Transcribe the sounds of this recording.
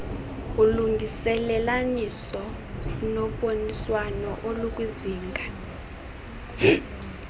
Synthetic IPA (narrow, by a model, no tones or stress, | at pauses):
uluŋɡisɛlɛlanisɔ | nɔɓoniswanɔʔoluk̬ʼwiziːŋɡʱa